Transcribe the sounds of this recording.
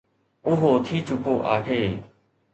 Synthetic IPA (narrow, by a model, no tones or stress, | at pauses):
ʊɦoːt̪ʰiːt͡ʃʊkoːʔaːɦeː